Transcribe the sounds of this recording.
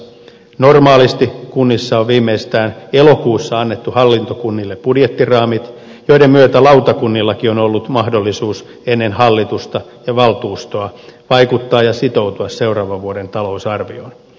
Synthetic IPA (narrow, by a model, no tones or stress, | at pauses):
normɑːlist̪ikunːisːɑoʋʋiːmːeist̪æːnelo̞kuːsːɑɑnːet̪ːuhɑlːint̪okunːilːepb̥udjet̪ːirɑːmit̪ | jo̞idemmyøt̪ælɑwt̪ɑkunːilːɑkio̞nolːut̪mɑhdolːisuːs | enːenhɑlːit̪ust̪ɑjɑʋɑlt̪uːst̪oɑʋɑikut̪ːɑːjɑsit̪o̞wt̪uɑsseurɑːʋɑʋʋuodent̪ɑlo̞usɑrʋio̰n